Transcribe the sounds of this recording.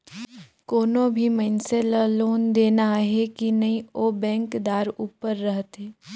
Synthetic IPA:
koːnõbʱimənselaloːnd̪eːnaɦɛkinɐɦĩobɛ̃ːŋkd̪aːɾuːpəɾːəɦt̪ɦɛː

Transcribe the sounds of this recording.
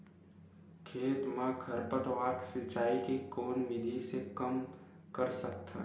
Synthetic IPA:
kʰeːt̪mãɡʰʱəɾpət̪ʋaːksɪt͡ʃaːikikoːnʋɪd̪ʱisekɐm | kəɾsək̚t̪ʰa̰

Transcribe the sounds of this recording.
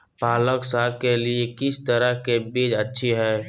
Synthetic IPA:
paːləksaːkeliekɪst̪əɾəɦkebeːd͡ʒətːʃʰiɦɛː

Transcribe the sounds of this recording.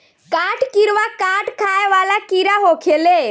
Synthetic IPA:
kaʈkiɾʋakaʈkʰajʋalakiɾaɦokʰele

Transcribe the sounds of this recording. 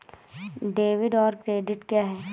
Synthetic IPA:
ɖeːʋɪɖɔːɾkɾeːɖɪʈkjaːɦɛː

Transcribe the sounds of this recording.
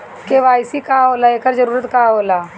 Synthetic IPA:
keʋaːɪsikaɦoːlaeːkəɾd͡ʒɐɾuːɾət̪kaɦoːlaː

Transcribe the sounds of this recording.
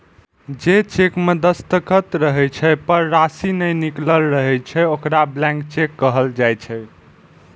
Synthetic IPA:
d͡ʒet͡ʃekmed̪əst̪əkət̪ɾəɦɛt͡ʃʰɛpəɾːasinəjnikləlɾəɦɛt͡ʃʰɛokɾablɛ̃ŋkt͡ʃekːəɦəld͡ʒajt͡ʃʰɛ

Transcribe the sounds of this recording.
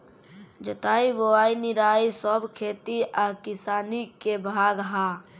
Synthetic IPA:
d͡ʒət̪aiboainiɾaisəbkʰet̪iʔakisaːnikebʱaɡɦa

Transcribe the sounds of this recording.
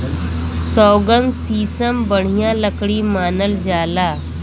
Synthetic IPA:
sɔːɡənsiːsəmbəɽ̤ijãləkɽimaːnəld͡ʒaːlaː

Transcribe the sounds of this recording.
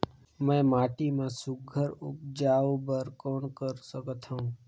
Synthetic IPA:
mɛ̃ːmaːʈimãsʊɡʱəɾʊ̰k̚d͡ʒaːobəɾkɔːnkəɾsəkət̪ɦaũː

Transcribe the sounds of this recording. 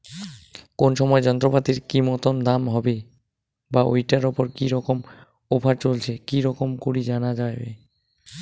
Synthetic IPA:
konʃɔmɔed͡ʑɔnt̪ɾopat̪iɾkimɔt̪ond̪amɦɔbe | baʔo̰jʈaɾopoɾkiɾɔkom | opʰaɾt͡ɕolt͡ɕʰekiɾɔkomkoɾid͡ʑanad͡ʑajbḛ

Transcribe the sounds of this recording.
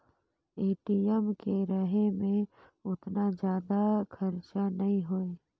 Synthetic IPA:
eːʈiɛmkeɾəɦemẽ | ʊt̪nad͡ʒjaːd̪akʰəɾt͡ʃanɐɦĩɦoːeː

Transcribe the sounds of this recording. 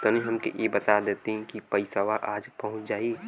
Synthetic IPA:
t̪ɐniɦɐmkḛjʔebɐt̪ad̪eːt̪eɦɛ̃kipɐɪsaʋaʔaːd͡ʒpɐɦʊ̃t͡ʃd͡ʒaːie

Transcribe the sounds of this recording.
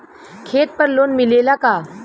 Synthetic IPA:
kʰeːt̪̚pəɾloːnmɪleːlakaː

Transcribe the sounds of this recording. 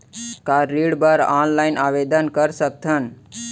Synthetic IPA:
kaːiɽbəɾaːnlaɪnaːʋed̪ənkəɾsək̚t̪ʰən

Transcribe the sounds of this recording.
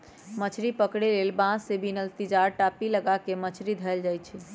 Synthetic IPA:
mət͡ʃʰɾipəkɽelelbãsebʱinəlt̪id͡ʒaɾʈapiləɡakemət͡ʃʰɾid̪ʱəld͡ʒajt͡ʃʰɛ

